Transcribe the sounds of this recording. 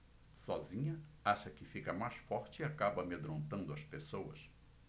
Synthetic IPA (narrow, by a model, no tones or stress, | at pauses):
sɔzĩɲɐaʃɐkɪfikɐmajsfɔɾt͡ʃɪiakabɐmed̪ɾõnt̪ɐ̃nd̪ʊɐspesowɐ̰s